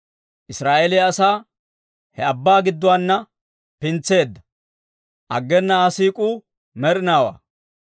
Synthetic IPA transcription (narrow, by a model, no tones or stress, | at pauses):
ʔɪsɾaːʔeleɐsaː | hɛɐbːaːɡɪd̪ːʊwanːɐ | pɪnt͡sːe̞ːd̪ːɐ̥ | ʔɐɡːɛnːɐaːsiːkʼuː | mɛɾɪnaːwa̰ː